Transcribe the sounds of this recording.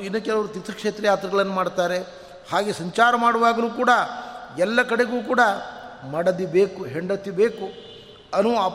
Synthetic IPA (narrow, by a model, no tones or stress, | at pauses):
inːɐkɛlɐʋɐɾut̪it̪ːɐkʂeːt̪ɾɐjaːt̪ɾɐɡɐɭɐnːɐmaːɽt̪aːɾe̞ | haːɡesɐɲt͡ʃaːɾɐmaːɽɐʋaːɡɐluːkuːɽɐɛlːɐkɐɽe̞ɡuːk̬uːɽɐmɐɽɐd̪ibeːkuɦeɳɖɐt̪ːibe̞ːku | ɐnuap